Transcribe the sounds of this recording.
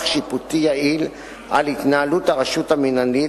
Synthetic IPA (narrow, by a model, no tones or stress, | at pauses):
χʃiput̪ijail | a̰lik̪nalut̪aʔaʃut̪aminani